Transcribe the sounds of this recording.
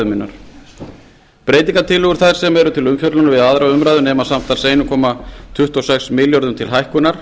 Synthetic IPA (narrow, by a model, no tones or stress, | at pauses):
ʏmɪnːa̰ɾ̥ | pɾejt̪̬ĩŋkat̪ʰɪlʏɣʏɾ̥θajɾ̥sɛmɛɾʏt̪ʰɪlʏmfjœt̪lanʏvɪðaðɾavʏmɾajðʏnɛːmasam̥t̪ḁseːjnʏkʰɔːmat̪ʰʏht̪ɔsɛksmɪljɔɾðʏmt̪ʰɪlɦajhkʏnaɾ̥